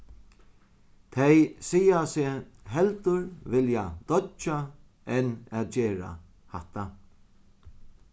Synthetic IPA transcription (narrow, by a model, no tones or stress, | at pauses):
t̪ʰɛjsijasɪɦɛlt̪ʊɹvɪljad̪̥ɔt͡ʃa | ɛnaːt̪̚d͡ʒeːɾa̰ | haht̪a